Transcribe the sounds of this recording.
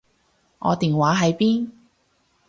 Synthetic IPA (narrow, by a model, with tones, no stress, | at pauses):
ŋɔ̰ː˨˧t̪iː˨˩ŋwaː˨˥ɦɐ˨˧jpiː˥n